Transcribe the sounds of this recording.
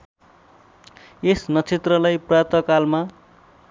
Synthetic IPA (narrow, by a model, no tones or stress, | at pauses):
esnʌt͡sʰet̪rʌlajprʌjʌt̪ʌkalma